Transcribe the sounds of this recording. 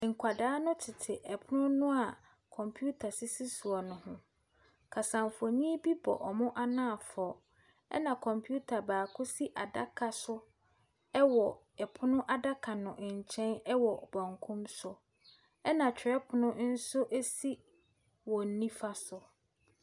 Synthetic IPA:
ŋ̩˨kʰʷa˨daː˦nʊ̃˦tʰɪ˨tʰɪ˨ʔɛ˨pʰʊ˦nʊ̃˦nʊ̃˦a˨ | kʰɔ̃˨mpʰju˦tʰa˨si˦si˦su˨ɔ˨nʊ̃˨hʊ̃˦ | kʰa˨sã˨mfɔ˨ɲĩ˦bi˦bɔ̰˨ʔɔ˨mʊ̃˦ʔa˦nãː˦a˨fɔ˨ | ɛ̰˦nã˨kʰɔ̃˨mpʰju˦tʰa˨baː˨kʰʊ˦si˦ʔa˨da˦kʰa˨sʊ˦ | ɛ˦wɔ˨ | ɛ˨pʰʊ˦nʊ̃˦ʔa˨da˦kʰa˨nʊ̃˨ʔɲ̩˨t͡ɕʰɛ̃˦nɛ˦wɔ˨bɔ̃˨ŋkʰũ˦msʊ˨ | ɛ˦nã˨t͡ɕᶣʰɛ˦pʰʊ˨nʊ̃˦n̩˦sʊ˦ʔe˦si˦ | wɔ˨n̩˨nĩ˦fa˦sʊ˨

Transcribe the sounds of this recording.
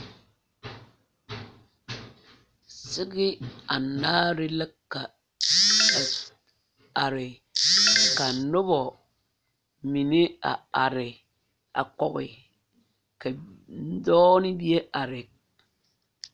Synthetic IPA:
sɪ˦ɡɪ˦a˨naː˦ɾɪ˦lɪ˦kːa˨ | a˨ɾɪ˨ | ka˨nʊ˦bɔ˨ | mi˨nɪ˦a̰˨a˨ɾɪ˨ | a̰˨kɔ˨ɣɪ˨ | ka˨˦dɔː˦nɪ˦bi˦e˦ʔa˨ɾɪ˨k

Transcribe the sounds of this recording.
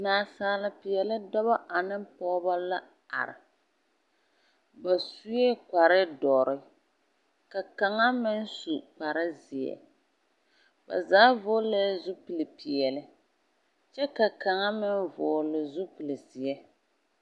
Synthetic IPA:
naː˨saː˨lɪ˨pi˨jɛ˨lɪ˦dɔ˦βa˦ʔa˨nɪ˦m˦pɔː˦ba˦la˦ | a̰˨ɾɪ̰˨ | ba˨su˦jɛ˦k͡pa˨ɾɪ˦dɔ˨ɾɪ˦ | ka˨ka˨ŋa˦mɪ˦n˦su˨k͡pa˨ɾɪ˦zi˨ɛ̰˨ | ba̰˨zaː˦voː˦lɛ˦zu˦pɨ˨lɨ˨pi˨ɛ˨lɪ˨ | t͡ʃɛ˦ka˨ka˨ŋa˦mɪ˦nvoː˨lɪ˨zu˦pɨ˨lɪ˨si˨ɛ˦

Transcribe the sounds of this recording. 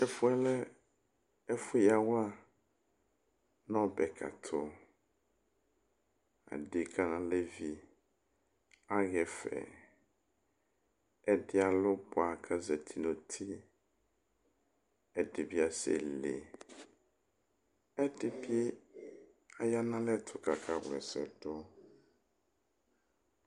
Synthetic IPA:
ɛ˦fũ˦ɛ˦lɛ˦ | ɛ˦fʊ˦ja˨wa˦ | nɔ̃˦bɛ˨kʰa̰˨t̪ʰɔ˨ | a̰˨ɖɪ˨kʰa˦nã˨le˦vi˦ | a˦ɣɛ˨fɛ̰˨ | ɛ˦ɖɪ˦a˨lʊ˦bo˨a˨kʰa˦zɛ˨t̪ʰi˨nõ˨t̪ʰi˦ | ɛ˦ɖi˨bi˦a˨sḛ˨lḛ˨ | ɛ˦ɖɪ˨bi˦ | a˨ja˦nã˦lɛ˦˨t̪ʰʊ˨ka˨kʰa˨wlɛ̰˨sɛ̰˨ɖɔ˦

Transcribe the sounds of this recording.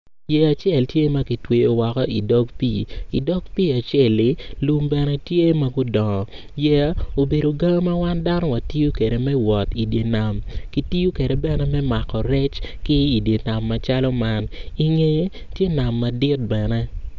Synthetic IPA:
jɛ˨a˨t͡ʃɛ˦˨ltje˦ma˦ki˨twe˨o˨wɔ˨kɔ˦i˨dɔ˦kpḭ˨ḭ˨dɔ˦ɡpi˦a˨t͡ʃɛ˦˨lːɪ˦lu˦mbɛ˨nɛ˦tje˦ma˦ɡʊ˦dɔ˨ŋɔ˨ | jɛ˨o˨be˨ɾo˨ɡa˦ŋ˦ma˦wa˦nda˦nɔ˦wa˨ti˦ju˦ke˨ɾe˨mɛ˦wɔ˨ti˨dje˨na˨mki˦ti˦ju˦ke˨ɾɛ˨bɛ˦nɛ˦mɛ˦ma˨kɔ˨ɾɛ˦t͡ʃkɪ˦i˨dje˨na˨mːa˨t͡ʃa˦lɔ˦ma˦ni˨ŋe˨˦ | tje˦na˨mːa˨dɪ˦t̚bɛ˨nɛ˦

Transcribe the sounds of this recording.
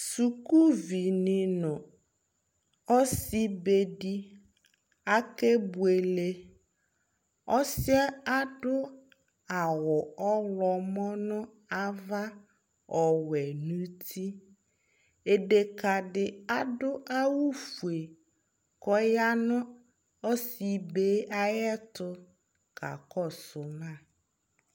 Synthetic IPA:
su˨ku˦vi˨nɪ̃˨nʊ̃˨ | ɔ˦si˦be˨di˦ | a˦ke˦bu˨e˨le˦ | ɔ˦sɪ˦ɛ˦a˦dʊ˦ | a˨wɔ˨ɔ˦lɔ˨mɔ˦nʊ̃˦ | a˦va˦ | ɔ˨wɛ˨nũ˦tʰi˦ | e˨de˨ka˨ɖɪ˨a˦dʊ˦ʔa˦wu˦fu˨e˨ | kɔ˦ja˦nʊ̃˦ | ɔ˦si˨beː˦a˦jɛ˦tʊ˦ | kʰa̰˨kɔ˦˨sʊ˨mã˦˨

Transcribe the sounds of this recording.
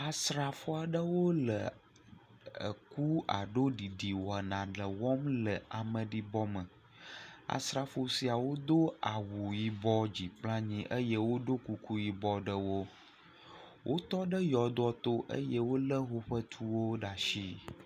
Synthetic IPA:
a˨sɾa˨fo˦a˨ɖə˦wo˦lə˨ | ə̰˨ku˦a̰˨ɖo˦ɖi˨ɖi˨wɔ˨a˨nã˨ɖə˨wɔ˦mlə˨a˨mə̃˨ɖi˦bɔ˦mə˨ | a̰˨sɾa˨fo˨si˦a˨wo˦d̪o˦a˨wu˨ji˨bɔ˦d͡ʑi˨plã˦ɲĩ˦ʔə˦je˦wo˦ɖo˦ku˨ku˦ji˨bɔ˦ɖə˦wo˦ | wʔo˦t̪ɔ˦ɖə˦jɔ˨d̪ɔ˦t̪o˦ʔə̰˦jə˦wo˦lə˦ɦo˦ɸə˦t̪ʰu˦wo˦ɖa˨ʃi˦

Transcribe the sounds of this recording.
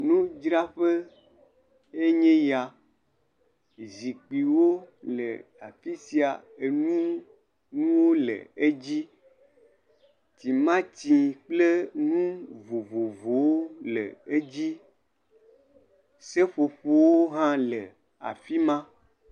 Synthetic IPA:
nũ˦d͡ʒɾa˦ɸe˦ | e˦ɲẽ˦ja˨ | zi˨k͡pi˨wo˦lḛ˨a˨fi˦si˦a˨ | e˨nũ˦ | nũ˦wo˦lḛ˨e˦d͡ʑi˦ | ti˨mã˦t͡ɕĩ˨k͡ple˦nũ˦vo˨vo˨vo˨wo˦lḛ˨e˦d͡ʑi˦ | se˦ɸo˨ɸo˨wo˦ɦã˦le˨ | a̰˨fi˦mã˦

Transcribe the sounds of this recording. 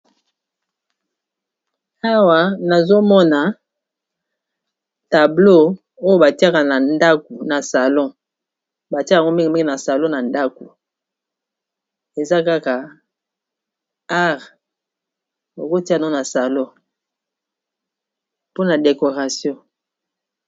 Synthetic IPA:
a˦wa˨na˨zo˦mɔ˦na˨ | ta˨blo˦ | o˦jo˨ba˨ti˦a˦ka˨na˨nda˦ko˨na˨sa˨lɔ̃˦˨ | ba˨ti˦˨ŋɡo˦mi˦ŋ˨mi˦ŋɡi˨na˨sa˨lɔ̃˦na˨nda˦ko˨ | e˨za˦ka˦ka˨ | a˦ʁ | o˨ko˦ti˦a˦˨˦o˦na˨sa˨lɔ̃˦ | po˦na˨de˨ko˨ʁa˨sjɔ̃˦

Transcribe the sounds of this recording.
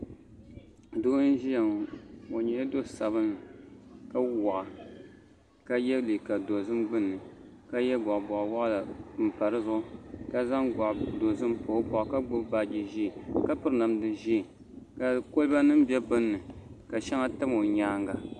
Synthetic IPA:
doː˦n˦ʒi˦ja˨mo˨ɲɛ˨jdo˦sa˨βɨ˦n˨ka˦wɔ˨ʔa˨ | ka˦jɛ˦li˨ka˨do˨zɨ˦mbɨ˦nːɨ˨ | ka˦jɛ˦ɡɔ˨ʔbɔ˨ʔwa˦ʔla˨m̩˨pa˨ɾɨ˦zʊ˦ʔʊ˦ka˦za˦ŋɡa˨ʔdo˨zɨ˦mpo˨˦bɔ˨ʔka˦ɡ͡bʊ˦ba˦d͡ʒi˨ʒi˦˨ka˦pɨ˦ɾɨ˦na˨mdɨ˨ʒi˦˨ | ka˨ko˦lba˦nɨ˦m˦bɛ˦bɨ˦nːɨ˨ka˨ʃɛ˦ŋa˦tɨ˦mo˨ɲaː˦ŋɡa˨

